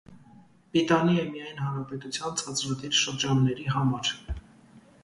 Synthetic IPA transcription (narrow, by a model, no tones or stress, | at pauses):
bit̪ɑniɛmijɑjnhɑnɾɑpɛt̪ut͡sʰjɑnt͡sʰɑt͡sɾɑd̪iɾʃəɾd͡ʒɑnːɛɾiɦɑmɑɾ